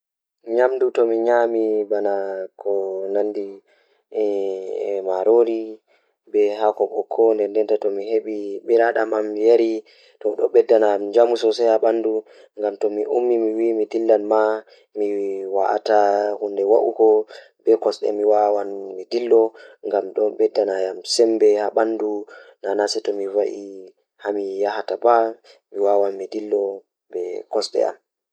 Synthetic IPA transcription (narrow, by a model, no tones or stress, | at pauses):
ɲamdutɔmiɲamibanakʰɔnandi | maɾoɾi | bɛɦakɔɓɔkʰːɔndɛndɛntatɔmiɦeɓiɓiɾaɗamamːijaɾi | tɔɗɔɓɛdːanamid͡ʒamusɔsɛjaɓandu | ŋɡamtɔmiʔumːimiwimidilːanma | miwaʔa̰tahundɛwaʔṵkɔ | bɛkɔsɗɛ̰miwawanmidilːɔŋɡamɗɔbɛdːanajamsɛmbɛhaɓandunanasɛtɔmivaʔi | hamijahatabamiwawanmidilːɔ | bɛkɔsɗɛ̰a̰m